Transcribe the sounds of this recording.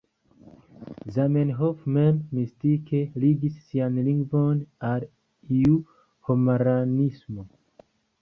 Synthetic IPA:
zamenɦofmenmistike̞liɡisːianliŋɡvonal | iu | homaɾanismo̞

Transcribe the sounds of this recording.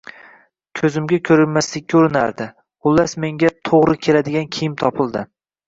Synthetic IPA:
kʲʰɵzɪmɡʲakʲʰɵɾɪlmaslɪk̚ʲʰːaoɾɪna̰ɾd̪ɪ | ʊlːasme̞ŋɡʲat̪ʰoʁɾɪkʲʰe̞lad̪ɪɡʲankʲʰejɪmt̪ʰɒpɪlˠd̪ɪ

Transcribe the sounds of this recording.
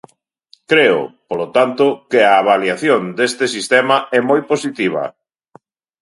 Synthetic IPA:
kɾeʊ̰polot̪ant̪ʊkɪaːβaljaθjond̪est̪ɪsist̪ɛmaɛmojposit̪iβ̞ɐ̰

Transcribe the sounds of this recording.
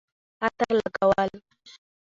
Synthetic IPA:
at̪aɾlakawal

